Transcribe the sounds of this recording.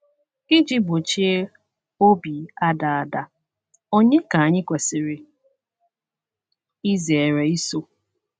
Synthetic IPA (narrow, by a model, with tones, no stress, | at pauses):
i˦d͡ʒi˦bo˨t͡ʃi˦e˦ | o˦bi˨a˦da˨a˨da˦ | o˦ɲe˦ka˨a˨ɲɪ˦kʷe˨sɪ˨ɾɪ˨ | i˦ze˨e˨ɾe˨i˦so˦